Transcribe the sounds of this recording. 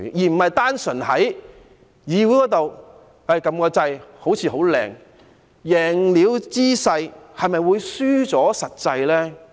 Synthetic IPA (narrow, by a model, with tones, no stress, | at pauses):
jiː˨˩m̩˨˩hɐ˨jt̪aː˥nsɵ˨˩nhɐ˨˥j | jiː˨˧wu˨˥kɔː˨˥t̪o˨w | ɐ˧˨˩jkɐ˧mkɔː˧t͡sɐ˧jho˨˥wt͡sʰiː˨˧ho˨˥wlɛ̰ː˨˩ŋ | jɛː˨˩ŋliː˨˧wt͡siː˥sɐ˧jhɐ˨jmɐ˨jwuː˨˧jsyː˥t͡sɔː˨˥sɐ˨t̚t͡sɐ˧jlɛː˥